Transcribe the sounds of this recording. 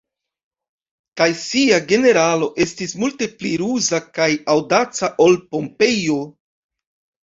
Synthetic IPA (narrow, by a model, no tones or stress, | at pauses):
kajsiaɡe̞ne̞ɾalo̞ʔe̞stismulte̞pliɾuzakajawdat͡saʔo̞lpo̞mpe̞jo̞